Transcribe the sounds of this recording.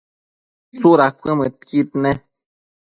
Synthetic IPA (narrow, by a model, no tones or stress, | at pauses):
t͡suɾakʷə̃mə̃t̪kit̪nɛ̃